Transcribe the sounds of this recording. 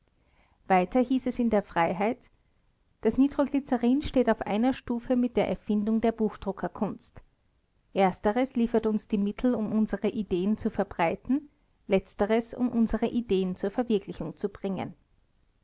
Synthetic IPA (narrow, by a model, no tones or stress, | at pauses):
v̥aɪtʰɐɦiːsɛsɪndeːɐfʁ̥aɪɦaɪt | d̥asniːdʁoɡlit͡sɐʁiːnʃteːtaʊfʔa̰ɪnɐʃtuːfəmɪt̚d̥eːɐʔɛ̰ɐfɪndʊŋdeːɐb̥uːxd̥ʁʊkʰɐkʰʊnst | ʔeːɐstəʁəsliːfɐtʊnsd̥iːmɪtʰl̩ʊmʔʊnzəʁəʔideːənt͡sufɛɐbʁaɪtn̩ | lɛt͡stəʁəsʊ̰mʔʊnzəʁəʔideːənt͡suːɐfɛɐvɪɐklɪçʊŋt͡subʁɪŋə̰n